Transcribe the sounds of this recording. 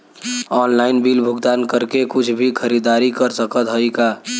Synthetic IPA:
ɔːnlaːɪnbiːlbʱʊɡd̪aːnkəɾkekʊt͡ʃʰbʱikʰəɾid̪aːɾikəɾsəkət̪ɦəika

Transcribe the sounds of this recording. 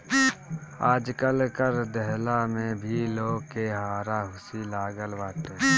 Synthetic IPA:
aːd͡ʒkəlkəɾd̪əɦlamẽbʱiloːɡkeɦaːɾaɦʊsilaːɡəlbaːʈeː

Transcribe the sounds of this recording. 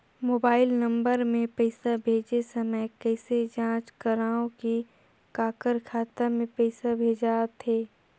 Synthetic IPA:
moːbaːɪlnɐ̃mbəɾmẽpɛɪsabʱeːd͡ʒesɐməjkɛːsed͡ʒãːt͡ʃkəɾaːõki | kaːkəɾkʰaːt̪amẽpɛɪsabʱeːd͡ʒat̪ʰeː

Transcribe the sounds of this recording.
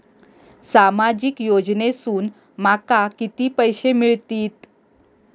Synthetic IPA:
samad͡ʑikjod͡ʑnesuːn | makakit̪iːpəjɕemiɭt̪iːt̪

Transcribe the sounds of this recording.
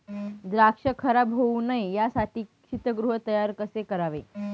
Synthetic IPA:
d̪ɾakʂəkʰəɾabɦounaijasaʈiːkʂit̪əɡɾuɦət̪əjaɾkəsekəɾaʋe

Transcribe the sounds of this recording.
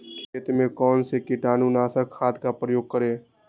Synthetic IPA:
kʰeːt̪mẽkɔːnsekɪʈaːnuːnaːsəɾkʰaːd̪kapɾəjoːɡ̚kəɾẽː

